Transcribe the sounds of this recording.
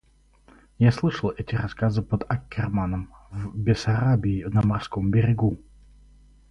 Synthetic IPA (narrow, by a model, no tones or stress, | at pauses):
jaslˠɨʂəlˠɛtʲɪɾɐskazɨpəd̪ɐkʲːɪrmanəmvbʲɪsɐɾabʲɪːvnəmɐrskombʲɪɾʲɪɡu